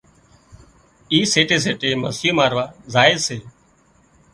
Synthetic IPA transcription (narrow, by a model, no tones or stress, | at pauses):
iːseːʈeːs̬eːʈeːməziːmaːɾʋaːzaːeseː